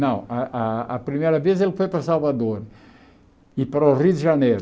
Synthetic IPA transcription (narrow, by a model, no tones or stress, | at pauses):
nɐ̃w̃ɐʔɐɐpɾimejɾɐvezelɪfojpɾɐsalvad̪oɾ | ɪpaɾoʁid̪ɪʒɐnejɾ